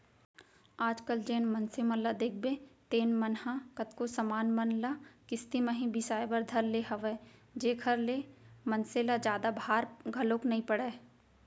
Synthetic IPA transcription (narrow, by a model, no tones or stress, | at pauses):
aːd͡ʒkəld͡ʒeːnmɐnsemãlad̪eːk̚ʰbet̪eːnmɐnɦãkɐt̪kosɐmaːnmɐnlakɪst̪imə̃ɦĩbʱisaːjebəɾd̪ʱɐɾleɦɐʋeːd͡ʒeːkʰəɾlemɐnselad͡ʒjaːd̪abʱaːɾɡʱɐloːknɐɦĩpɐɽa